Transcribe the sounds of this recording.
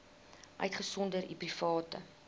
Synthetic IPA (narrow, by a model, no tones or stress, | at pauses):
ʔœ̰ɥtχəsɔndəɾḭprifɑːtə̰